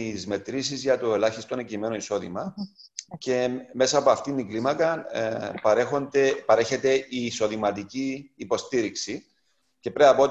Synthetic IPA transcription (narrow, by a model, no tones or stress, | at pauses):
izme̞t̪ɾisizʝɐt̪oe̞lɐçist̪onecime̞noiso̞ðḭmɐ | ce̞me̞sɐːpoɐft̪iniɡlimɐkɐpɐɾexond̪epɐɾe̞çe̞t̪e̞ʔiːso̞ðimɐt̪iciːpo̞st̪iɾiksi | ce̞pɾeɐpo